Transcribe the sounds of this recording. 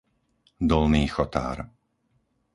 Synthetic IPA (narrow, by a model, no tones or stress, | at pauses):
d̪ɔlniːxɔt̪a̰ːɾ